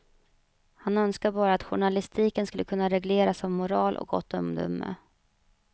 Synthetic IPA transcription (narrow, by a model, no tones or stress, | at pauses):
hanœnskaɾbɑːɾaːt̪ɧʊɳalɪst̪ʰiːkənskɵlːəkʰɵnːaɾɛɡleːɾasɔmːʊɾɑːlʔɔ̰k̚ɡɔ̰t̪ːɔmd̪ɵ̰mːə̰